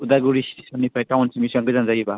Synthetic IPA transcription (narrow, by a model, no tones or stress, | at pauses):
udaɡuɾisɔnipʰajtawnsimisaŋɡɯzanzaɡiba